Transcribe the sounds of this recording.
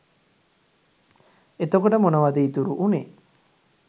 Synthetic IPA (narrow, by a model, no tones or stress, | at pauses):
et̪okoʈəmonəʋad̪iit̪uɾuʔune